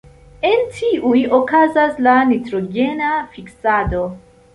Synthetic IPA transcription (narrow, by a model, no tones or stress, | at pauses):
e̞ntʰiʔujo̞kazaslanitɾo̞ɡe̞nafiksado̞